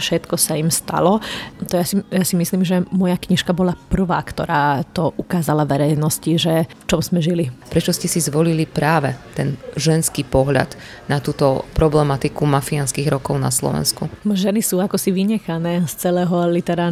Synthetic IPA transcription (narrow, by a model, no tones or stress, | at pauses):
fʃɛt̪kɔsaimst̪a̰lɔt̪ɔjasijasimisliːmʒɛmɔjakɲiʃkabɔlapr̩ʋaːkt̪ɔ̰ɾaːt̪ɔʔukaːzalaʋɛɾɛjnɔsciʒɛft͡ʃɔmz̥mɛʒilipɾɛt͡ʃɔscɛsizʋɔlilipɾaːʋɛt̪ɛnʒɛnskipɔɦʎa̰d̪ | nat̪uːt̪ɔpɾɔblɛmat̪ikumafianskiɣɾɔkɔʊna̰slɔ̰ʋɛ̰nskuʒɛnisuːakɔsiʋiɲɛxanɛːst͡sɛlɛːɦɔlit̪ɛɾaː